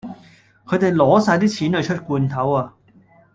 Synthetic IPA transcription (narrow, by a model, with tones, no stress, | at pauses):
kʰɵ˨˧ɥt̪e˨jlɔː˨˥saː˧jt̪iː˥t͡ɕʰiː˨˥nhɵ˨˧jt͡ʃʰɵ˥t̚kuː˧nt̪ʰɐ˨˥waː˧